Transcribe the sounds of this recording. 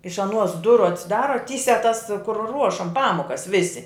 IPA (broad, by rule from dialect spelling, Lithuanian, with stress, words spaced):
ɪʃ ɐˈnuɔs ˈdʊrʊ ɐtʲsʲɪˈdɑːrɐ ˈtʲiːsʲæː tɐs kʊr ˈruɔʃɐm ˈpɑːmoːkɐs ˈʋʲɪsʲɪ